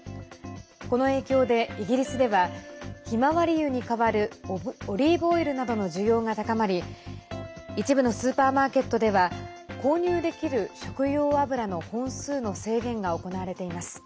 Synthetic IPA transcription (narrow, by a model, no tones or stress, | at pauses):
ko̞no̞e̞ːkʲo̞ːd̪e̞iɡʲiɾʲisɨd̪e̞βaçimaβaɾʲijɯ̟ɲ̟ikaβaɾɯ̟oɾʲiːbo̞iɾɯ̟nad̪o̞no̞ʑɨjo̞ːŋat̪akamaɾʲi | it͡ɕibɯ̟no̞sɨːpaːmaːke̞t̪ːo̞d̪e̞βa | ko̞ːɲ̟ɨːd̪e̞kʲiɾɯ̟ɕo̞kɯ̟jo̞ːabɯ̟ɾano̞hõ̞ɰ̃sɨːno̞se̞ːɡẽ̞ŋɡao̞ko̞naβaɾe̞t̪e̞imasɨ̥